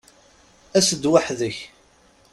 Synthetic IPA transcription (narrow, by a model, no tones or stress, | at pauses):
æsəd̪waħðəç